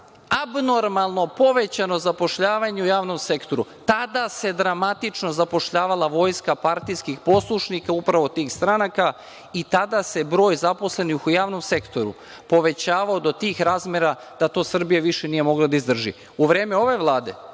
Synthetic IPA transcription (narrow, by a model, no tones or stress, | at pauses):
abno̞ɾmalˠno̞po̞ʋe̞t͡ɕano̞zapo̞ʃʎaːʋaɲeujaːʋno̞mse̞kt̪o̞ɾut̪ad̪ase̞d̪ɾamat̪it͡ʃno̞zapo̞ʃʎaːʋalˠaʋo̞ːjskapaɾt̪ijskixpo̞slˠuʃnikaupɾaʋo̞t̪iːxst̪ɾanaka | it̪ad̪ase̞bɾo̞ːjzapo̞sle̞nixujaːʋno̞mse̞kt̪o̞ɾṵ | po̞ʋe̞t͡ɕaːʋaod̪o̞t̪iːxɾaːzmeɾa | d̪̥at̪o̞ːsr̩bijaʋiʃenije̞mo̞ɡlˠad̪aizd̪r̩ʒḭ | uʋɾeːmeo̞ʋe̞ʋlˠaːd̪e̞̰